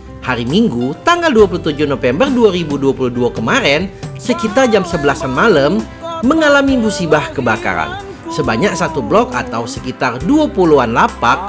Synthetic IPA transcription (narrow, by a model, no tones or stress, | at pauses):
haɾimiŋɡut̪aŋɡalduap̬ulut̪ud͡ʒuhnofɛmbərduaɾibuduapuluhduakəmaɾɛnsəkit̪ard͡ʒamsəbəlasanmaləmː | əŋalamimusibahkəbaka̰ɾa̰n | səbaɲak̚sat̪ublɔkat̪awsəkit̪arduapuluanlapak̚